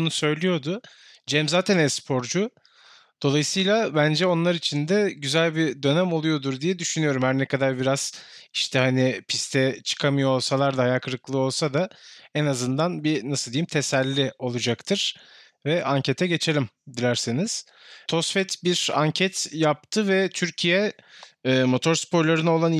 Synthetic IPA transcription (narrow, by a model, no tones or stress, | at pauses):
nusø̞jlʲijo̞d̪ʊ | d͡ʒɛmzaːt̪ʰænɛspʰo̞ɾd͡ʒu | d̪̥o̞lˠajɯsɯjlˠabænd͡ʒɛo̞nlˠaɾit͡ʃʰind̪ɛɟyzælʲbid̪ø̞nɛmo̞lˠujo̞d̪uɾd̪ijɛd̪yʃynyjo̞ɾumhæɾnɛkʰad̪aɾbiɾaz̥iʃt̪ʰɛhanipʰist̪ʰɛt͡ʃʰɯ̥kʰamɯjo̞olˠsalˠaɾd̪ahajakʰɯɾɯklˠɯo̞lˠsad̪aɛnazɯnd̪anbinasɯd̪ijimt̪ʰesælʲːio̞lˠud͡ʒakt̪ʰɯɾ̥ | vɛʔaɲcʰe̞t̪ʰɛɟe̞t͡ʃʰe̞lʲimd̪ilʲæɾseniz̥ | t̪ʰo̞sfɛt̪biɾa̰ɲcʰɛt̪jap̚t̪ʰɯvɛt̪ʰyɾcʰijɛː | mo̞t̪ʰo̞ɾspo̞ɾlˠaɾɯno̞lˠan